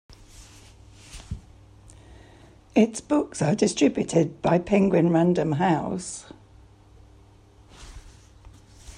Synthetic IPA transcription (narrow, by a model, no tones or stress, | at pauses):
ɪtsb̥ʊksədɪstɹ̥ɪbjutʰɪd̚baɪpʰɪ̃ŋɡwɪ̃nɹãndə̃mɦaʊs